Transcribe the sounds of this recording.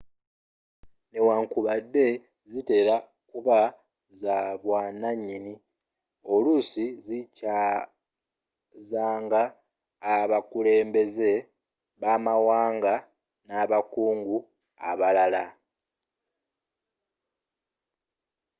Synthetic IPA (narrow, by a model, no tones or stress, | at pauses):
ne̞waːŋkuβadːe̞ | zite̞ɾa | kuβa | zaβwaːnaɲːini | o̞lusizica | zaːŋɡaː | βakule̞ːmbe̞ze̞ | βaːmawaːŋɡa | naːβakuːŋɡu | a̰βalala